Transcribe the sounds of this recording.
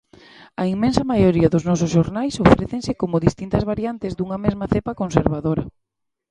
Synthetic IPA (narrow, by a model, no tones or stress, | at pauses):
ɐiŋmẽnsɐmajoɾiɐðʊznɔs̬ʊsʃoɾnajsofɾeθeŋsɪkomʊðist̪int̪ɐzβaɾjant̪ɪzd̪uŋɐmezmɐθepɐkonseɾβaðoɾɐ